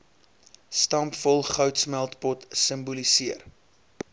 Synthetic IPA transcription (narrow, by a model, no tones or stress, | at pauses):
stɑmpfɔlˠχœwtsmælˠtpɔtsəmbulisiər